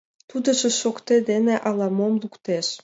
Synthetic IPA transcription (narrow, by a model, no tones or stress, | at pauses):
t̪ud̪ə̆ʒĕʃokt̪ed̪eneʔɑlˠɑmomlukt̪eʃ